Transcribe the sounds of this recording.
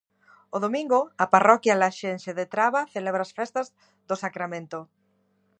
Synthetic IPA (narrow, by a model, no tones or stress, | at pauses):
oðomĩŋɡoaparʔɔkjalaʃenʃeðet̪ɾaβaθeleβ̞ɾasfɛst̪az | ðosakɾamẽnt̪o